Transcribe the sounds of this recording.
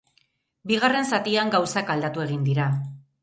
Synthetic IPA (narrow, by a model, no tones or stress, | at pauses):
biɣ̞are̞nsat̪iaŋɡawsakald̪at̪ue̞ɣ̞ind̪iɾa